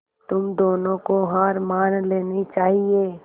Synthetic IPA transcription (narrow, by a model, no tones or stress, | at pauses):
t̪ʊmd̪oːnõkoɦaːɾmaːnleːnit͡ʃaːɦieː